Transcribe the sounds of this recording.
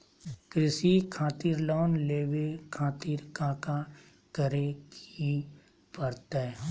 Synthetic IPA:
kɾɪsikʰaːt̪iːɾlɔːnleːwekʰaːt̪iːɾkãːka | kəɾeki | pəɾt̪eː

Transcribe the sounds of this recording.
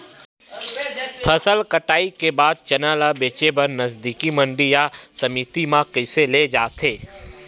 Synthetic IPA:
pʰɐsəlkəʈaːikebaːd̪̚t͡ʃɐnaːlabeːt͡ʃebɐɾnɐzd̪iːkimɐ̃ɳɖijasɐmiːt̪imãkəɪseled͡ʒaːt̪ʰeː

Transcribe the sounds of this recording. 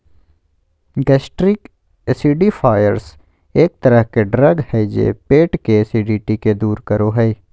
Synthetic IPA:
ɡɛːsʈɾɪk | siːɖifʰaːjə̰ɾs | eːk̚t̪ɐɾəɦkeɖɾɐɡhɛid͡ʒḛːpeːʈkesiːɖiːʈiked̪uːɾkɐɾoɦɛi

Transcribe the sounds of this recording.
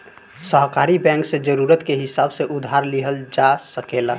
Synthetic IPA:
səɦkaɾibɛ̃ŋksẽd͡ʒəɾuɾət̪keɦɪsabseʔʊd̪ʱɦaɾliɦəld͡ʒasəkela

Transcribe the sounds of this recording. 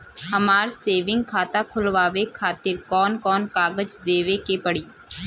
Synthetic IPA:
ɦɐmaːɾseːʋɪ̃ŋɡ̚kʰaːt̪akʰʊlʋaːʋekʰaːt̪ɪɾkɔːnkɔːnkaːɡəd͡ʒd̪eːʋekepɐɽiː

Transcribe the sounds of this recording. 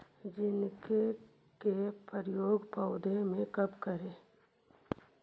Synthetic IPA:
d͡ʒɪnke | kepəɾjoːɡpaʊd̪ʱemẽkɐpkəɾẽː

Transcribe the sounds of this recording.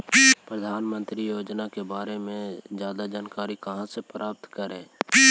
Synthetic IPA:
pɾəd̪ʱaːnmə̃nt̪ɾijoːd͡ʒnakebaːɾemẽd͡ʒjaːd̪ad͡ʒaːnkaːɾikəɦãsepɾʔaːp̚t̪kəɾẽː

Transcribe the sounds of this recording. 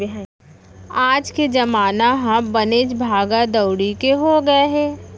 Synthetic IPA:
aːd͡ʒked͡ʒɐmaːnaɦãbɐneːd͡ʒbʱaːɡad̪ɐʊɽikeɦoɡɐeɦɛː

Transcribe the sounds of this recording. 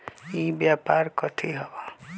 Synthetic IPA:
ibjaːpaːɾkɔt̪ʰiɦɐba

